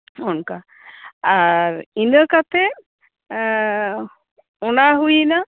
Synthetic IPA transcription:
ɔnka | aɾinəkat̪ɛ | ɔnaɦujina

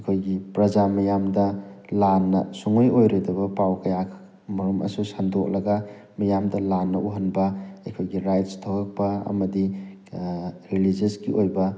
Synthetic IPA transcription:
ɐkʰojɡipɾɐd͡ʒamɐjamdɐlanːɐ̰suŋojojɾejdɐbɐpawkɐjakʰ | mɐɾumʔɐ̰susandok̚lɐɡɐ | mɐjamdɐlanːɐʔuɦɐnbɐɐkʰojɡiɾajtstʰowkɐk̚pɐɐ̰mɐdi | ɾilid͡ʒesɡiʔojbɐ

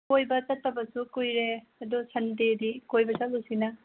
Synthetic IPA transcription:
kojbɐt͡ʃɐtʰːɐbɐsukujɾe | ɐdɔsɐndedikojbɐt͡ʃɐt̚lusinɐ

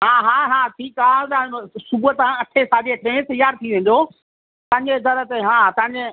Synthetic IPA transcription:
ɦãːɦãːɦãːʈʰiːkaːt̪ãsʊbʊɦt̪ãɐʈʰesaːd͡ʑeʈɾẽːt̪ɐjaːɾt̪ʰiʋẽːɲ̆d̪o | t̪ɐ̃ɦɪ̃ɲd͡ʑezɐɾə̆t̪eɦãːt̪ɐ̃ɦɪ̃ɲd͡ʑe

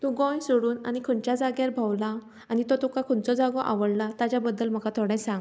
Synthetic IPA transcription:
t̪ũɡɔ̃jsoɽuːnanikʰuɳt͡ɕjad͡zaɡjaɾbʱawla | anit̪ɔt̪ɔkakʰunt͡sɔd͡zaɡɔʔa̰ʋəɽlat̪at͡ɕabəd̪ːəlm̤əkat̪ʰoɽɛ̃jsãŋɡ

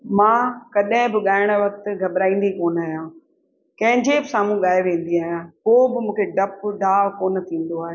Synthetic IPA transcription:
mãːkɐɗɦɪ̃bɪɠaːɪɽ̃ʋɐk̚t̪ɡʱɐbɾaːĩːn̆d̪ikoːnaːɦijãː | kɐ̃ɦɪ̃ɲd͡ʑebɪsaːmũɠaːeʋẽːn̆d̪iaːɦijãkobɪmũːkʰeɖɐpɖaːʋkoːnɐt̪ʰĩːn̆d̪oaːɦeː

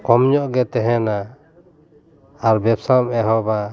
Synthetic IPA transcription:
kɔmɲɔʔɡɛt̪ɛɦɛna | ɾbɛpsamɛɦɔba

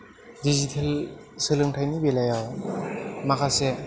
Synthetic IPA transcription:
dizitʰel | sɯlɯŋtʰajnibelajaw | makʰase

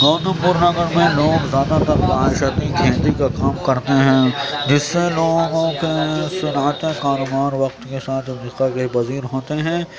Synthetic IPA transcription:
nɔːnəpʊɾnɐɡəɾmẽloːɡzjaːd̪at̪ɐkbaːɪʃət̪iɡʱẽːd̪ikakaːmkɐɾt̪eɦɛ̃ːd͡ʒɪsːeloːɡõkesʊnaːt̪ekaːɾobaːɾʋɐqt̪kesaːt̪ʰɐfɾiːkakebɐziːɾɦoːt̪eɦɛ̃ː

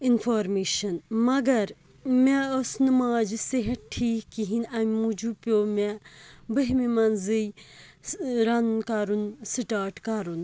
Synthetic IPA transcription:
infʰoːɾmeːʃɐnmɐɡɐɾ | mɛosnɨmaːd͡ʒiseɦɐʈ̚ʈʰiːkkiɦinɐmʲmud͡ʒupʲjoːmɛ̃bəɦmimɐnzɨj | ɾɐnkaɾunsɨʈaːɾʈkaɾun

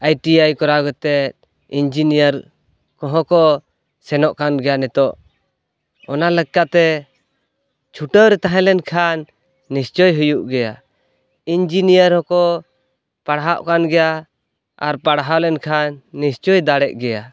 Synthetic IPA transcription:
ajʈiajkɔɾaɡɔt̪ɛt̪̚ | ind͡ʒinijəɾ | kɔɦɔ̃kɔ | sɛnɔʔkanɡɛjanɛt̪ɔʔ | ɔnaləɡkːat̪ɛ | t͡ʃʰuʈəwɾɛt̪aɦɛ̃lɛnkʰanː | ist͡ʃɔjɦujuʔɡɛja | ind͡ʒinijəɾhɔkɔ | paɽɦaʔkanɡɛja | a̰ɾpaɽɦalɛnkʰanːist͡ʃɔjd̪aɽɛʔɡɛja

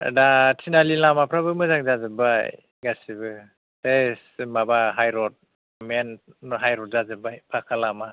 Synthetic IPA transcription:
datʰinalilamapʰɾabɯmɯzaŋzazɯbaj | ɡasibɯ | tesmabaɦajɾɔt̚ | menɦajɾɔt̚zazɯbajpʰakʰalama

